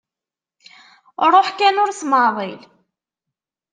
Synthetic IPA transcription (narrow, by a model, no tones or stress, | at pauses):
ɾˤoħkænʊɾsmɑðˤel